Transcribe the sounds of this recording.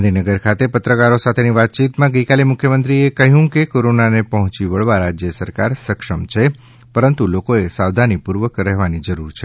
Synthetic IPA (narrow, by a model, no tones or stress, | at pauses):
ɦnd̪ʱinəɡəɾkʰat̪epət̪ɾəkaɾosat̪ʰeniʋat̪̚t͡ʃit̪mãɡəjkalemʊkʰjəmənt̪ɾiekəɦjũkekoɾonanepəɦɔ̃t͡ʃiʋəɭʋaɾad͡ʒjəsəɾkaɾsəkʂəmt͡ʃʰe | pəɾənt̪ulokoesaʋd̪ʱanipuɾʋəkɾɛɦʋanid͡ʒəɾuɾt͡ʃʰe